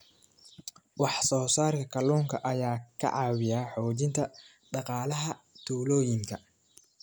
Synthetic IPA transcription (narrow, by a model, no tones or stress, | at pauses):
wɑħsɔːsaːrkʰɐkʰɐlɔːŋkʰɐʔɐjaːkʰɐ̰ʕɑːwɪjaːħɔːt͡ʃɪnt̪ʰɐ | ɖɑqɑːlɐɦɐ | t̪ʰuːlɔːjɪŋkʰɐ